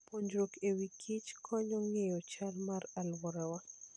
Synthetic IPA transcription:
poɲd͡ʒɾokewikʰit͡ʃkʰɔɲɔŋejɔt͡ʃalmaralwɔɾawa

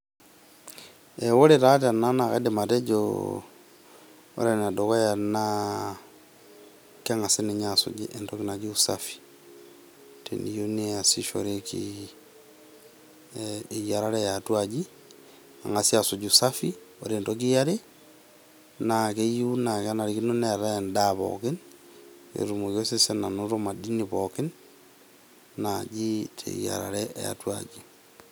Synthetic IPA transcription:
ɛwoɾetat̬ananaɣɛ̰dematɛd͡ʒo̰ | o̰ɾenadokajana | kaŋasineɲaso̰ɟiʔɛntokinad͡ʒiusafi̥ | tɛ̰nijoneasiʃo̰ɾekḭ | ijaɾaɾɛjatwaɟi | a̰ŋasjasoɟusafio̰ɾeːndok̬ijaɾe | nakeijunakanaɾikinoneɾandaβo̰kin | ḛɾumokjosesenanoɾomadiniβokin | nad͡ʒitʰḛja̰ɾa̰ɾɛʔja̰twaɟi

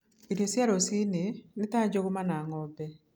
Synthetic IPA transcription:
iɾesjaɾosinɪnɪtad͡ʒoɡomanaŋɔbɛ

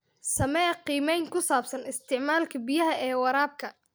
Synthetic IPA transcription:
sɐmɛːqiːmɛjŋkʰʊsaːbsɐnɪst̪ʰɪʕmaːlkʰɐbijɐɦɐʔɛːwɐɾaːb̚kʰɐ

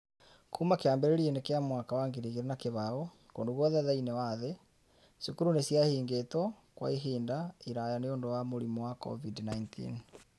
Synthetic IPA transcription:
kʰuːmakeaːmbeɾeɾienekeamwaːkawaŋɡeɾiɣeɾenakeβaɔ | koːndoɣwɔðɛðainewaːðe | sukuɾunesjahiːŋɡeːtɔ | kwa̰iɦiːndaiɾajaneoːndowamoɾimɔwakɔ̰vidnaintʰḭn

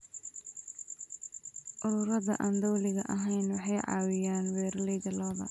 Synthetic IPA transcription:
ʔʊɾʊːɾɐðɐ̰ʔaːnd̪ɔwlɪɣɐ̰ʔɐɦɛjnwɑħɑjʕɑ̰ːwɪjaːnwɛːɾlɛjðɐlɔːðɐ̰

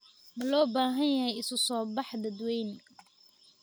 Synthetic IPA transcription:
mɐlɔːbaːɦɐnjɐɦɛjɪsʊsɔːbɑħd̪ɐd̪wɛjn

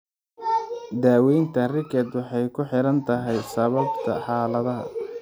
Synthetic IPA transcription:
d̪aːwɛjnt̪ʰɐrɪkʰɛd̪wɑħɑjkʰʊħɪɾɐnt̪ʰɐɦɛjsɐβɐbt̪ʰɐ̰ħɑːlɐðɐɦɐ̰

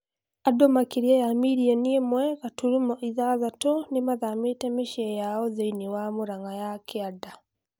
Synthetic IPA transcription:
adɔmakiɾiajamiɾiɛniɛmwɛkatuɾumɔʔiðazatɔnimaðamitɛmiʃɛjaɔzainiwamuɾaŋɡajakʰiada

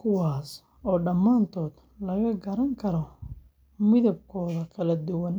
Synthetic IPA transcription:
kʰʊwaːs | ɔːɖɐmːaːnt̪ʰɔːd̪ | lɐɣɐɡɐɾɐŋkʰɐɾɔ | mɪðɐb̚kʰɔːðɐkʰɐlɐd̪ʊwɐn

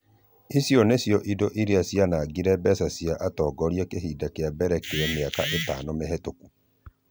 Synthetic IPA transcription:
isjɔnesjɔʔidoʔiɾeasianaːɡiɾɛbɛsasiaʔatɔːɡɔɾiɛkeɦiːdakeabɛɾɛkeɛmeaka̰ʔeta̰ːnɔmeɦɛtoku

